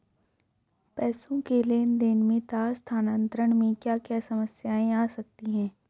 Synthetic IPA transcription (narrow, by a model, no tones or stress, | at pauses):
pɛːsõkeleːnd̪enmẽt̪aːɾst̪ʰaːnə̃nt̪ɾəɽ̃mẽkjaːkjaːsɐməsjaːẽaːsɐk̚t̪iɦɛ̃ː